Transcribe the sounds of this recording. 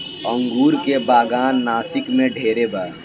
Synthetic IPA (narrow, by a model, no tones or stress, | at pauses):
ə̃ŋɡuːɾkebaːɡaːnːaːsɪkmẽɖʱeːɾebaː